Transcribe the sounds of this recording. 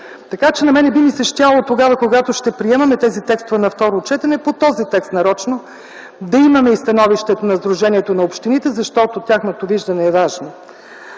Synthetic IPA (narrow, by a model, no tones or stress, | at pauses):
t̪ɐkat͡ʃɛnɐmɛnɛbimisɛʃt̪ʲalˠot̪oɡavɐkoɡat̪oʃt̪ɛpɾiɛmɐmɛt̪ɛzit̪ɛkst̪ovɛnɐft̪ɔɾot͡ʃɛt̪ɛnɛpot̪ɔzit̪ɛkst̪nɐɾɔt͡ʃno | d̪ɐimɐmɛist̪ɐnɔviʃt̪ɛt̪nɐzd̪ɾʊʒɛniɛt̪onɐopʃt̪init̪ɛzɐʃt̪ɔt̪ot̪ʲjaxnot̪oviʒd̪ɐnɛːvaʒno